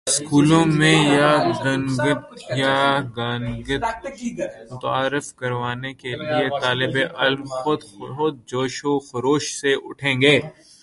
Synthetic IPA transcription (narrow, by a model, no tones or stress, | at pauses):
skuːlõmẽjaɡɐ̃nɡət̪jaɡaːnɡət̪ | mʊt̪aːɾɪfkɐɾʋaːnekeliet̪aːlɪbeʔɐlmxʊd̪ʊd̪̚d͡ʒoːʃoxɐɾoːʃseʔʊ̰ʈʰẽːŋɡeː